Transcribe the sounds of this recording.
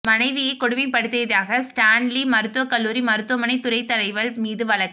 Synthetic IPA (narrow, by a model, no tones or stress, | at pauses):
mɐnɐɪʋɪjɐɪkːɔɽɯmɪpɐɽɯt̪ːɐjðaːɣɐsʈaːnlimɐɾɯt̪ːɯʋɐkɐlːuːɾimɐɾɯt̪ːɯʋɐmɐnɐɪt̪ːʊɾɐɪt̪ːɐlɐɪʋɐlmiːðɯʋɐɭɐkːɯ̥